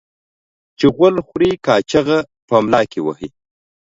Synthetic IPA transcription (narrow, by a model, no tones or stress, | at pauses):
t͡ʃeɣwəlxɾikɑːt͡ʃaɣa | ʈʰomlɑːkiwə̰hi